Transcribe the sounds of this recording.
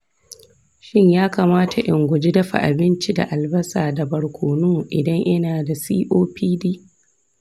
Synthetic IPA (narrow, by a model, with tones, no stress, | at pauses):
ʃɪ˦ɲjaː˦kaː˨maː˦tʰa˨ʔɪ˨ŋɡʷʊ˨d͡ʒi˦dɐ˦ɸa̰˨ʔa̰˨bɪ˦nt͡ʃi˦da̰˨ʔa˨lbɐ˦saː˨da˨bɐ˨ɽkʷʰoː˨noː˦˨ʔɪ˨dɐ˦ŋʔɐ˦naː˨da˨sḭː˦ʔoː˦piː˦diː˦